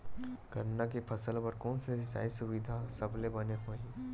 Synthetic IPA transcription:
ɡəɾnakepʰɐsəlpɐɾkɔːnsesa̰ːisʊʋid̪ʱasɐblebɐneɦoĩ

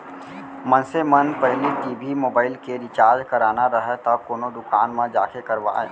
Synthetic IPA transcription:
mə̃nsemɐnpɛɦliʈiːbʱimoːbaːɪlkeɾɪt͡ʃaːɾd͡ʒkɐɾaːnaɾɐɦet̪akoːnod̪ʊkaːnmẽd͡ʒaːkekɐɾʋa̰ːḛː

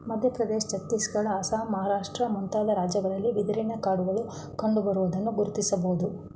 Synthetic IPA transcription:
mɐd̪ʱjɐpɾɐd̪eːʃt͡ʃɐt̪ːisɡɐɭɐaːsaːmɐɦaːɾaːʂʈɾɐmunt̪aːd̪ɐɾaːd͡ʒjɐɡɐɾɐlːiʋid̪ɐɾinɐkaːɽuɡɐɭu | kɐɳɖubɐɾuʋɐd̪ɐnːuɡuɾut̪isɐboɦud̪u

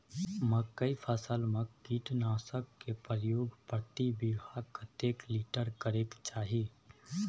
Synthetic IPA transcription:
məkːəipʰəsəlmẽkiːʈnaːsəkːepɾəjoːɡpɾt̪ibiɦakət̪eːkliːʈəɾkəɾekt͡ʃaːɦi

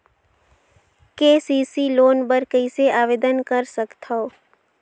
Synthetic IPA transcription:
keːsiːsiloːnbəɾkəiseaːʋeːd̪ənkəɾsəkt̪ʰaoː

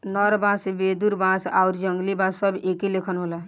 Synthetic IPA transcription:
nəɾbãsbed̪uɾbãsauɾd͡ʒəŋɡlibãsːəbʱekelekʰənɦola

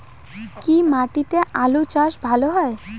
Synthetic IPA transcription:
kimaʈit̪eʔalut͡ɕaʃbʱaloɦɔe

